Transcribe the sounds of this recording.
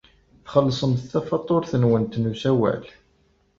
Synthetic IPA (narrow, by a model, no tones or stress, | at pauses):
θχəlːsˤəmθθæfɑt̪ˤːoɾθənwənt̪ːnusæwæ̰l